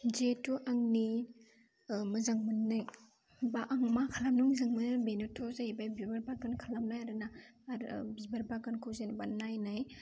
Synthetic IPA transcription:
d͡ʒetuʔaŋni | mɯzaŋmɯnːɯj | baʔaŋmakʰalamnuŋzɯŋmɯnɯbenutʰɔzaibajbibaɾbaɡɯnkʰalamnajaɾɯnaɾbibaɾbaɡɯnkʰɯwzenbanːajnaj

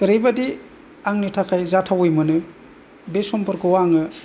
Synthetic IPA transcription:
kɯɾejbadi | aŋnɯtʰakʰajzatʰawɯjmɯnɯ | besɔmpɔɾkɯwaŋɯ

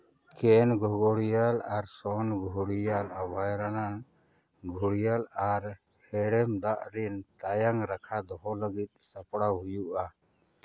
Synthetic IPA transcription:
kɛnɡɔɡɔɽijalaɾsɔnɡʱuɽijalabajɾanan | ɡʱuɽijalaɾ | hɛɽɛmd̪aʔɾint̪ajaŋɾakʰad̪ɔɦɔləɡit̪̚ˀsapɽawɦujuʔa

